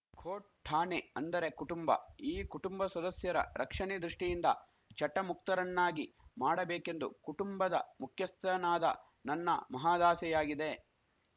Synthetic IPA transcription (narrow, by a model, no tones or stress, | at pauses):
kʰoːʈ̚ʈʰːaːneɐnd̪ɐɾe̞kuʈumbɐ̰iːkuʈumbɐsɐd̪ɐsjɐɾɐ̰ɾʔɐkʂɐɳiːd̪ɾuʂʈijind̪ɐ | t͡ʃɐʈːɐmuk̚t̪ɐɾɐnːaːɡimaːɽɐbeːke̞nd̪ukuʈumbɐd̪ɐmukʰjɐst̪ɐnaːd̪ɐ̰ | nɐnːɐmɐɦaːd̪aːsɛjaːɡid̪e̞